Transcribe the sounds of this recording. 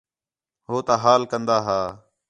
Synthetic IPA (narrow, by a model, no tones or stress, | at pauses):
ɦoːt̪aːɦaːlkənd̪aːɦaː